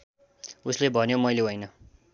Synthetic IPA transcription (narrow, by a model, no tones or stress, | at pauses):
uslebʱʌnjomʌjleɦojnʌ